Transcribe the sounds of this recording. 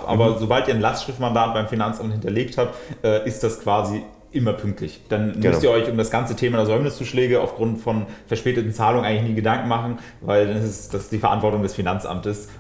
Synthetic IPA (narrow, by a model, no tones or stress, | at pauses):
ʔa̰ːbɐzobaltiːɐnlastʃʁ̥ɪftmandaːt̚b̥aɪmfinant͡sʔamthɪntɐleːkthap̚tʔɛːʔɪst̚d̥askv̥aːzi | ʔɪmɐpʰʏŋk̚tʰlɪçd̥anmʏstiːɐɔʏçʊmdasɡ̥ant͡sətʰeːmaɐzɔʏmnɪst͡suːʃlɛːɡəa̰ʊfɡ̥ʁʊntfɔnfɛɐʃpɛːtətn̩t͡saːlʊŋənʔaɪŋlɪçniːɡədaŋkŋ̩maχn̩ | vaɪldanɪsɛsd̥asd̥iːfɛɐa̰ntv̥ɔɐtʊŋdɛsfinant͡sʔa̰mtəs